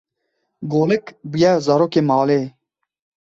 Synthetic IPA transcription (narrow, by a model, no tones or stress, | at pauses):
ɡoːlɨkbujɛzaːɾoːkeːmɑːleː